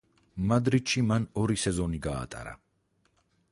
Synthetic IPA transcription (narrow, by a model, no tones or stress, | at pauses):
mad̪ɾit̪ʃimanɔɾisɛzɔniɡa̰ːt̪ʼa̰ɾa̰